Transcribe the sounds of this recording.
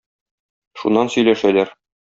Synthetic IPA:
ʃunːɑnsɵ̆jlæʃælæɾ

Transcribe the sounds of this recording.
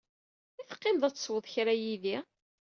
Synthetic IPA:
iθə̥qːemðˤæt͡sːswəðˤçɾæjiði

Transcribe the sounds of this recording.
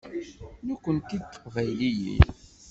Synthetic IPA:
nukʷːənt̪id̪t̪ːə̥qvæjlijḭ

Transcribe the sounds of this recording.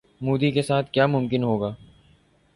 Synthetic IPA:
muːd̪ikesaːt̪ʰkjaːmʊ̃mkɪnɦoːɡaː

